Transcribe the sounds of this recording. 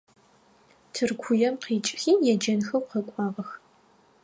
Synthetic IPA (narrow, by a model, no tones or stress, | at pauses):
tʰɨrkʷʰʊjɛmqiːt͡ʃʼxiːmjɛd͡ʒɐnxɐwqɐkʷʼɑːʁɐx